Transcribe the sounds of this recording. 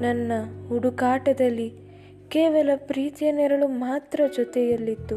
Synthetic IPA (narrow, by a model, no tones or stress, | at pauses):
nɐnːɐɦuɽukaːʈɐd̪ɐlːi | keːʋɐlɐpɾiːt̪jɐnɛɾɐɭumaːt̪ɾɐd͡ʒɔt̪ɛjɐlːit̪ːu